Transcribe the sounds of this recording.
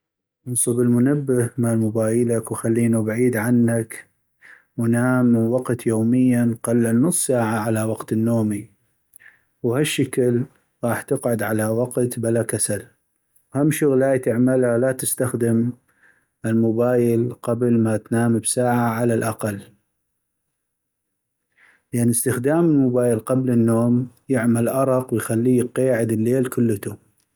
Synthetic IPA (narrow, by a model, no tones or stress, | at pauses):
ʔɨnsˤɨbɪlmʊnabːɪhmalmʊbaːjɪlakwxalːiːnubʕiːd̪ʕanːak | wnaːmwɑqt̪joːmɪjːanqɑlːanʊsˤsaːʕaʕalawɑqt̪ɪnːoːmi | whaʃːakl | ɣɑːħt̪ɪqʕʊd̪ʕalawɑqt̪balakasal | whamʃʊɣlaːjt̪ɪʕmalhalat̪ɪst̪axd̪ɪm | ɪlmʊbaːjɪlqablmat̪naːmbsaːʕaʕalalʔaqalː | lʔanəst̪ɪxd̪aːmɪlmʊbaːjəlqablənːoːmjɪʕmalʔɑɾˤɑqwjxalːiːqeːʕɪd̪ɪlːeːlkʊlːət̪u